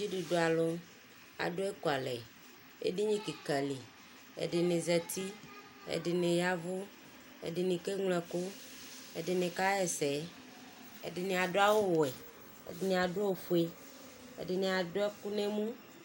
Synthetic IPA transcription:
d͡ʒi˦ɖu˨ɖo˨a˨lɔ˦ | a̰˨ɖo˦ɛ˦ko˨a˨lɛ̰˨ | ḛ˦ɖe˦ɲĩ˦ki˨kɛ˨li˨ | ḛ˦˨ɖe˨nẽ˨zɛ˨t̪i˦ | ḛ˨ɖe˨nẽ˨ja˦vo˦ | ḛ˨ɖe˨nĩ˨ke˦ŋlɛ˨ko˦ | ḛ˦ɖe˨nẽ˨ka˦jɛ˨sɛ˨˦ | ḛ˦de˨nẽ˨a˨ɖo˦a˦˨wo˦wo˨ɛ˨ | ḛ˦de˨nẽ˨a˨ɖo˦o˨ɸu˨˦e˦ | ḛ˦ɖe˨nẽ˨a˨do˦ɛ˦ku˦nẽ˦mũ˦

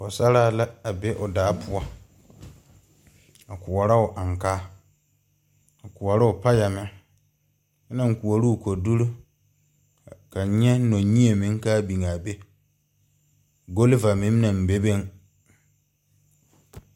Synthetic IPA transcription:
ʊ˨sa˦ɾaː˦˨la˦a˨be˦ʔʊ˨daː˨˦pʰʊ˦ɔ˦ | a˨kʊ˨wɔ˨ɾa˦ʊ˨ʔa˨ŋkaː˦ | a˨kʊ˨ɔ˨ɾa˦ʊ˨pa˦ja˨mɛ˦ | na˦˨ŋ˨ku˨o˨ɾu˦˨ko˨du˦ɾu˦ | ka˨˦ɲɛ˦no˨ɲi˦e˨mɪ̃˦ŋ˦kaː˦bi˨ŋa˨be˦ | ɡo˦lva˨mɪ̃˦m˦nã˨m˨be˦be˦ŋ

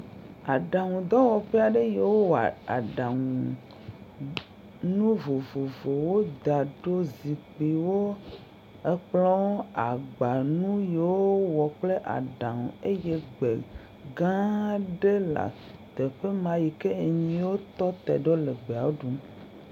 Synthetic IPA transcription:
a˨ɖa˨ŋũ˨d̪ɔ˦wɔ˨ɸe˦a˨ɖe˦je˨wo˦wa̰˨a̰˨ɖa˨ŋũ˨ | nũ˦vo˨vo˨vo˨wo˦d̪a˨ɖo˦zi˨k͡pi˨wo˦ | e˦k͡plɔ˦wa˨ɡ͡ba˨nũ˦je˨wo˦wɔ˨k͡ple˦ʔa̰˨ɖa˨ŋũ˨e˦je˦ɡ͡be˨ | ɡã˦ɖe˦la̰˨ | t̪e˨ɸe˦mã˨ji˨ke˦e˨ɲĩ˨˦wo˦t̪ɔ˦t̪ɛ̰˨ɖo˦le˨ɡ͡be˨a˨wo˦ɖu˨m

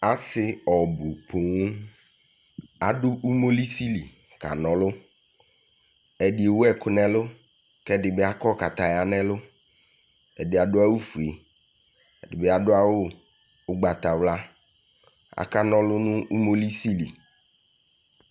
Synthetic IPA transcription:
a˨sɪ˦ɔ˨bʊ˨pʰo˨ŋu˦ | a˨dʊ˦ʔu˦mo˦li˦si˦li˨ | ka̰˨nɔ̃˨lʊ˦ | ɛ˨dɪ˨e˨wʊ˦ɛ˦kʊ˦nɛ̃˦lʊ˦ | kɛ˦dɪ˨bɛ˦a˦kɔ˦ka˨t̪a˨ja˨nɛ̃˦lʊ˦ | ɛ˨dɪ˨a˨dʊ˦a˦wu˦fu˨e˨ | ɛ˨dɪ˨be˦a˨dʊ˦a˦wʊ˦ | ʊ˦ɡ͡ba˨t̪a˨wla˦ | a̰˨ka˦nɔ̃˦lʊ˦nʊ̃˦u˦mo˦li˦si˦li˨

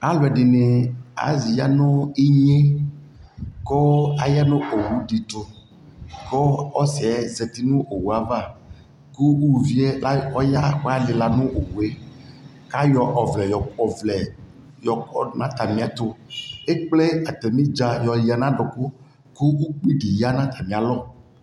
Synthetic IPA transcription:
a˨lo˨ɛ˨ɖi˨ne˨a̰˨zi˨ja˦nõ˦e˦ɲe˦ | kɔ˦a˨ja˦nõ˦o˨wu˨˦ɖi˨t̪o˨ | kɔ˦ɔ˦sɛ˨ɛ˦ze˨t̪i˦nũ˦ʔo˨wu˨a˦va˦˨ | ku˦u˦˨vi˦ɛ˦la˦ɔ˦ja˦wa˦le˨la˨nũ˦ʔo˨wu˨e˦ | ka˦jɔ˨ʔɔ˨vlɛ˨jɔ˨ɔ˨vlɛ˨ | jɔ˨kɔ˦nã˦t̪a˨mĩ˨a˨t̪o˦e˦k͡ple˦a˨t̪e˨mĩ˦d͡ʒa˨jɔ˨ji˨a˨nã˦ɖɔ˨ko˦ | ku˦wu˦k͡pi˦ɖi˨ja˦nã˦t̪ʰa˨mĩ˨a˨lɔ˦

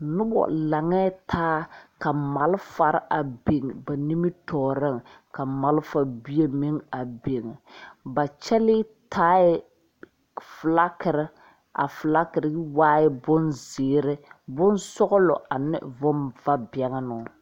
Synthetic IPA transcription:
nʊ˦bɔ̰˨la˨ŋɛː˦tʰaː˦ka˨ma˨lfa˨ɾɪ˦ʔa˨be˨ŋ˨ba˨ni˦mi˦tʰɔː˨ɾɪ˦˨ŋ | ka˨ma˨lfa˨bi˦e˨mi˦ŋa˨be˨ŋ˨ba˨t͡ʃɛ˦lɪː˦tʰaː˦ɪ˦ | fla˦kɪ˨ɾɪ˦ | a̰˨fla˦kɪ˨ɾɪ˦waː˦jɪ˦bʊ˦nzɪː˨ɾɪ˦bʊ˦nsɔ˦ɣʊ˦lʊ̰˨ʔa˨nɪ̰˦vʊ˦mva˦bɛ˨ŋa˦nʊ˨

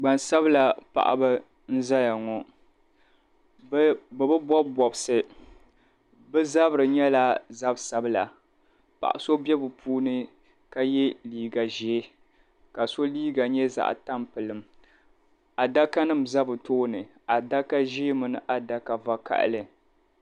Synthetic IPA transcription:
ɡ͡ba˨nsa˦bɨ˦la˨pa̰˨ʔa̰˨ba˦ | n̩˦za˦ja˨ŋɔ˨˦ | bɛ˨bɨ˦bɔ˦bɔ˨bsɨ˨ | bɨ˦za˦bɨ˨ɾɨ˨ɲɛ˦la˦za˦bsa˦bɨ˦la˨ | pa̰˨ʔa˨so˦bɛ˦bɨ˨pʰuː˦nɨ˦ | ka˦jɛ˦liː˦ɡa˨ʒɛ˦ | ka˨so˦liː˦ɡa˨ɲɛ˦za̰˦˨ʔta˦mpɨ˨lɨ˨m | a˨da˦ka˦nɨ˦mza˦bɨ˨toː˦nɨ˨ | a˨da˦ka˦ʒi˦mɨ˨nɨ˨ʔa˨da˦ka˨va˦ka̰˨ʔlɨ˨

